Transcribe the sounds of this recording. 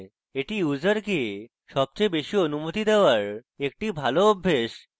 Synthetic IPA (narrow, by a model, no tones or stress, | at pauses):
eʈʰiːjud͡zəɾki | ɕɔb̚t͡ɕebeɕiːənumot̪it̪eʋəɭ | ek̚ʈiːbʱalobʱːeɕ